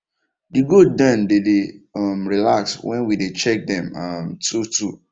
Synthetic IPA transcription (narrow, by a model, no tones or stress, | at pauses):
diɡud̚dãndedeamɹilakswɛ̃nwidet͡ʃɛk̚dɛ̃mamtutu